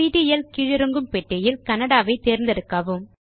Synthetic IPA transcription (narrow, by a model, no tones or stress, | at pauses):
iːʈijɐlkɪɻɪɾɯŋɡɯmpɛʈːɐjɪlkɐnɐɽaːʋɐɪt̪eːɾnd̪ɐɾɯkːɐːʋɯm